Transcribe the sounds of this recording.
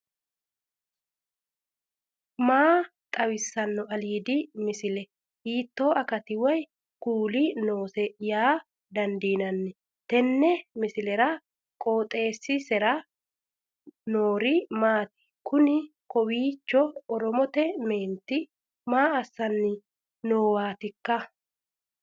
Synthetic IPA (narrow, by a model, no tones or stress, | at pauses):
maːt̪ʼɐwɪsːɐnːɔɐliːd̪ɪmɪsɪlɛ | hiːt̪ːo̞ːʔɐkɐt̪ɪwɐj | kuːlɪno̞ːsɛjaː | d̪ɐnd̪iːnɐnːɪ | t̪ɛnːɛmɪsɪlɛɾɐ | kʼoːt̪ʼe̞ːsːɪsɛɾɐ | noːɾɪmaːt̪ɪ̥ | kʊnɪkɔwiːt͡ʃːɔɔɾɔmɔt̪ɛme̞ːnt̪ːɪ | maːɐsːɐnːɪ | noːwaːt̪ɪkːɐ